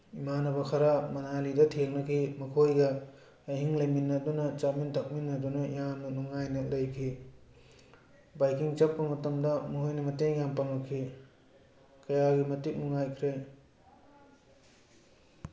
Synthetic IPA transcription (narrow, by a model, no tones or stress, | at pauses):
imanɐbɐkʰɐɾamɐnalidɐtʰeŋnɐkʰimɐkʰojɡɐ | ɐjɦiŋlɐjminːɐdunɐt͡ʃamintʰɐk̚minːɐdunɐjamnɐnuŋajnɐlɐjkʰi | bajkiŋt͡ʃɐpːɐmɐtɐmdɐmuɦojnɐmɐteŋjampaŋnɐkʰi | kɐjaɡimɐtik̚nuŋajkʰɾej